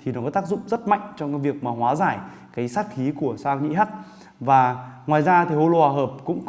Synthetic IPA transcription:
t̪ʰi˨˩nɔ˨˦kɔ˨˦t̪aː˦˥k̚zʊ̰˧˨ŋ͡mzə˦˥t̚ma̰˧˨jŋ̟t͡ɕɔ˧wŋ͡mkaː˨˦jvi˨˩ək̚maː˨˩ɦwaː˨˦zaː˧˩j | kaː˨˦jsaː˦˥k̚xi˨˦ku˧˩əsaː˧wɲḭ˧˥ɦaː˦˥t̚ | vaː˨˩ŋwaː˨˩jzaː˧t̪ʰi˨˩ho˧lo˧aː˨˩ɦəː˨˩p̚kʊ̰˧˥ŋ͡m

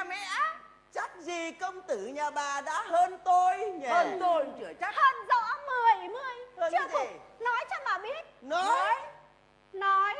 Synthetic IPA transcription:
mɛ̰˧˨ | t͡ɕa˦˥t̚zi˨˩kə˧wŋ͡mt̪ɨ˧˩ɲaː˨˩ɓaː˨˩ɗa̰ː˧˥ɦəː˧nt̪o˧jɲɛ˧əː˧nt̪o˧jt͡ɕɨ˧˩ət͡ɕa˦˥həː˧nzɔ̰˧˥mɨ˨˩əjmɨ˨˩əjhəː˧˦˧zi˨˩nɔ˨˦jt͡ɕɔ˧nmaː˨˩ɓi˦˥ət̚nɔ˨˦ | nɔ˨˦j

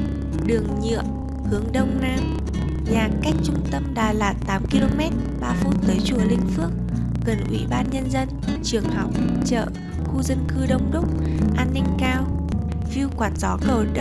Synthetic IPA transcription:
ɗɨ˨˩əŋɲḭ˧˨əm | hɨ˨˦əŋɗə˧wŋ͡mnaː˧m | ɲaː˨˩ka˦˥jk̟̚t͡ɕʊ˧ŋ͡mt̪ə˧mɗaː˨˩laː˨˩t̚t̪aː˨˦mki˧lo˧mɛ˦˥t̚ɓaː˧fu˧nt̪əː˨˦jt͡ɕu˧˩lï˧ŋ̟fɨ˦˥ək̚ | ɣə˨˩nʔwḭ˧˨ɓaː˧nɲə˧nzə˧nt͡ɕɨ˨˩əŋha˨˩wt͡ɕə̰ː˧˨ | xu˧zə˧nkɨ˧ɗə˧wŋ͡mɗʊ˦˥k͡p̚ʔaː˧nːï˧ŋ̟kaː˧w | fi˧ə˧wkwaː˨˩t̚z̥ɔ˨˦kəː˨˩

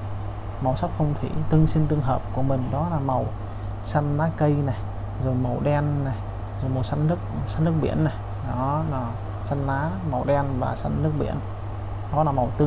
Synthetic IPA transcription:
ma˨˩wsa˦˥k̚fə˧wŋ͡mt̪ʰwḭ˧˩t̪ɨ˧əŋsi˧nt̪ɨ˧əŋɦəː˨˩p̚ku˧˩əmï˨˩ŋ̟ɗɔ˨˦laː˨˩ma˨˩w | sa˧nːaː˨˦kə˧jna˨˩j | zo˨˩jma˨˩wɗɛ˧nna˨˩j | zo˨˩jma˨˩wsa˧nnɨ˦˥ək̚sa˧nɨ˦˥ək̚ɓḭ˧˥ənːa˨˩j | ɗɔ˨˦la˨˩ | sa˧nlaː˨˦ma˨˩wɗɛ˧nvaː˨˩sa˧nːɨ˦˥ək̚ɓḭ˧˨ən | ɗɔ˨˦laː˨˩ma˨˩wt̪ɨ˧

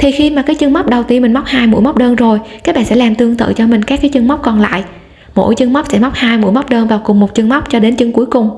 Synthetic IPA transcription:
t̪ʰi˨˩xi˧maː˨˩kaː˨˦˥k̚t͡ɕɨ˧ŋma˦˥wk͡p̚ɗə˨˩wt̪i˧nmi˨˩ŋma˦˥wk͡p̚haː˧jmṵ˧˥jma˦˥k͡p̚ɗəː˧nzo˨˩jkaː˦˥k̚ɓa̰ː˧˨sɛ̰˧˥laː˨˩mt̪ɨ˧əŋt̪ɨ̰˧˨t͡ɕɔ˧mï˨˩ŋ̟kaː˦˥kːaː˨˦jt͡ɕɨ˧ŋma˦˥k͡p̚kɔ˨˩nla̰ː˧˨j | mo̰˧˥˩jt͡ɕɨ˧ŋma˦˥wk͡p̚sɛ̰˧˥ma˦˥k͡p̚haː˧jmṵ˧˥jma˦˥k͡p̚ɗəː˧nvaː˨˩wkʊ˨˩ŋ͡mmo˨˩t̚t͡ɕɨ˧ŋma˦˥wk͡p̚t͡ɕɔ˧ɗe˨˦nt͡ɕɨ˨˧˦ŋku˨˦əjkʊ˨˩ŋ͡m

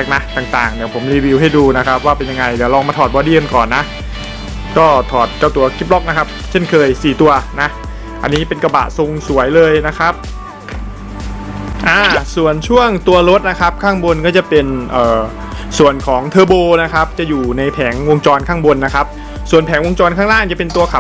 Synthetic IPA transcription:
k̚na˦˥t̪aː˨˩ŋt̪aː˨˩ŋdɛː˨˩pʰo˩˦mɾiː˧wi˧wɦa˥˩jduː˧na˦˥kʰa˦˥p̚waː˥˩pe˧nja˧ŋa˧jdɛː˨˩˦lɔː˧ŋmaː˧t̪ʰɔː˨˩t̪̚bɔː˧di˧ə˧nkɔː˨˩nːa˦˥ʔ | kɔː˥˩t̪ʰɔː˨˩t̪̚ka˧˩wt̪u˧ɐkʰi˦˥p̚lɔ˦˥k̚na˦˥kʰa˦˥p̚t͡ɕʰe˥˩nkʰɤː˧jsiː˨˩t̪u˧ɐna˦˥ | ʔa˧nːiː˦˥pe˧nka˧ba̰˨˩ʔso˧ŋsu˨˩˦əjlɤː˧jna˦˥kʰɾa˦˥p̚ | ʔaː˧˩su˨˩ənt͡ɕʰu˥˩əŋt̪u˧ɐɾo˦˥t̪̚na˦˥kʰa˦˥p̚kʰaː˥˩ŋbo˧nkɔː˥˩t͡ɕa˨˩pe˧nʔɤː˨˩ | su˨˩ənkʰɔː˩˦ŋt̪ʰɤː˧boː˧na˦˥kʰa˦˥p̚t͡ɕa˨˩juː˨˩na˧jpʰɛː˩˦ŋwo˧ŋt͡ɕɔː˧nkʰaː˥˩ŋbo˧nːa˦˥kʰa˦˥p̚ | su˨˩ənpʰɛː˩˦ŋwo˧ŋt͡ɕɔː˧nkʰaː˥˩ŋlaː˥˩ŋt͡ɕa˨˩pe˧nt̪u˧ɐkʰa˨˩

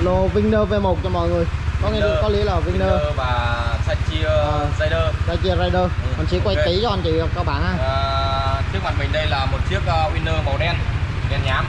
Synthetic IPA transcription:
lo˨˩vï˧ŋ̟nəː˧ve˧mo˨˩k͡p̚t͡ɕɔ˧mɔ̰˧˨jŋɨ˨˩əjkɔ˨˦ŋɛ˧˨˦kɔ˨˦li˨˧˦ə˦la˨˩vï˧ŋnəː˧vaː˨˩sa˧jt͡ɕi˧ə˨sa˧jɗəː˧saː˧jt͡ɕi˧əzaː˧jɗəː˧˨ɔ˨˩nt͡ɕḭ˧˨˦kwa˧jt̪i˨˦t͡ɕɔ˧ʔa˧˩nt͡ɕi˨˩˧kaː˧wɓaː˧˩nhaː˧˩˨t͡ɕi˦˥k̚ma̰˨˩mï˨˩ŋ̟ɗə˧jlaː˨˩mo˨˩t̚t͡ɕi˦˥ək̚ːwi˧nːəː˧mə˨˩wɗɛ˧nnɛ˨˩nɲaː˨˧m

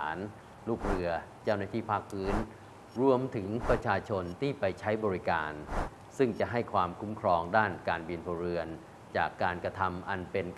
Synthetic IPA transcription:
n | luː˥˩k̚ɾɯ˧ɐt͡ɕa˥˩wnaː˥˩t̪ʰiː˥˩pʰaː˥˩k̚pʰɯː˦˥n | ɾu˧əmt̪ʰɯ˩˦ŋpɾa˧t͡ɕʰaː˧t͡ɕʰo˧nt̪ʰiː˥˩pa˧jt͡ɕʰa˦˥jbɔː˧ɾi˦˥ka̰ː˧n | sɯ˥˩ŋt͡ɕa˨˩ʔɦa˥˩jkʰwaː˧mkʰu˦˥mkʰɾɔː˧ŋdaː˥˩nkaː˧nbi˧nfoː˧ɾɯ˧ən | t͡ɕaː˨˩kːaː˧nka˧t̪ʰa˧mʔa˧npe˧nk

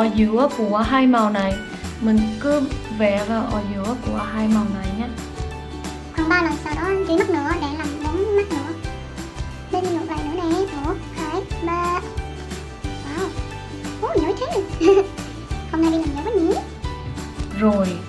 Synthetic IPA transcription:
ʔɔ˨˧˩zɨ˧˦əku˧˩əɦaː˧jma˨˩wna˨˩j | mï˨˩ŋ̟kɨ˨˦vɛ˧˩vaː˨˩wʔɔ˧˩zɨ̰˧˨˦əku˧˩əhaː˧jma˨˩wna˨˩jɲaː˧ | xwaː˧˩ŋɓaː˧na˨˩msaː˧˩wɗɔ˨˦ʔa˧nt͡ɕi˧˦ma˦˥t̚nɨ̰˧˥əɗe˧˩laː˨˩mɗə˨˦ŋ͡mma˦˥t̚nɨ̰˧˨ə | ɗe˧n˧mo˨˩ɓaː˨˩jnɨ˧˥əna˨˩jmo˧˦kʰaː˧˩˦k̚ɓaː˧ | ʔaː˧˩w | ʔo˧˩˦ɲə˨˦t͡ɕe˨˦˥ | hə˧ŋ͡mna˧jɗi˧laː˨˩m˨ə˨˦a˦˥ɲi˧˦ | zo˨˩j

